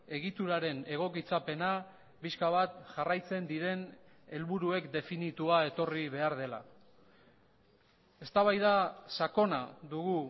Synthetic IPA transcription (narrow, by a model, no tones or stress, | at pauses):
e̞ɣit̪uɾaɾe̞ne̞ɣo̞kit͡sape̞na | piskaβat̪ʝarajt͡se̞nd̪iɾe̞n | e̞lβuɾue̞kd̪e̞finit̪uae̞t̪o̞riβe̞aɾðe̞la̰ | e̞st̪aβajðasako̞naðuɣu